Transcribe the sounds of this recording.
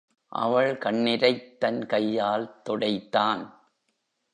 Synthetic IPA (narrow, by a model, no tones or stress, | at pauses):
ʔɐ̰ʋɐɭkɐɳːɪɾɐɪt̪ːɐnkɐjːaːlt̪ɔɽɐɪt̪ːaːn